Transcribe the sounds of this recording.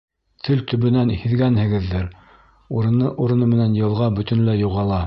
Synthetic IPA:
t̪ʰɵlt̪ɵ̆βɵ̆nænhiðɡænhɘ̆ɡɘ̆ðːɘɾ | uɾɤ̆nɤʔuɾɤ̆nɤmɘ̆nænjɤ̆lˠʁɑbɵ̆t̪ɵ̆nlæjuʁɑlˠɑ

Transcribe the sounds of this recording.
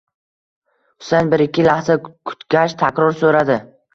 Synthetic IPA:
ʊ̥sanbɪɾɪkʲʰːɪlahzakʰʊ̥t̪kʲaʃt̪ʰakʲɾɒɾsoɾad̪ɪ

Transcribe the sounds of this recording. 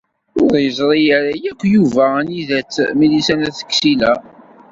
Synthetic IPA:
ʊðjəzˤɾˤijæɾæjækʷːjuvæniðæt͡sːmilisænæθə̥kːsilæ

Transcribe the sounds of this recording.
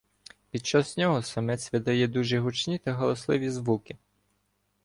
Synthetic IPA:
pʲid̪̚t͡ʃaznʲɔɦɔsɐmɛt͡sʲʋʲɪd̪ɐjɛd̪uʒɛɦut͡ʃnʲit̪ɐɦɔlˠɔslˠɪʋʲizʋukɪ

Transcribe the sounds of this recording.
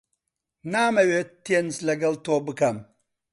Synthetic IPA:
naːmɐweːt̪ːenslɐɡɐlt̪oːbɨkɐm

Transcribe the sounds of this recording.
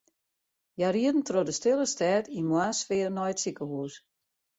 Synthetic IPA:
jariədn̩trodəstɪlˠəstɛːtimwasfɪərnɔjətsikəhuːs

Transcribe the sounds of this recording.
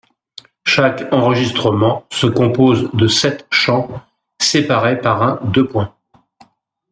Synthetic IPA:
ʃakɑ̃ʁəʒist̪χəmɑ̃səkɔ̃pozd̪əsɛt̪ʃɑ̃ | sepaʁepaʁɛ̃d̪øpwɛ̃

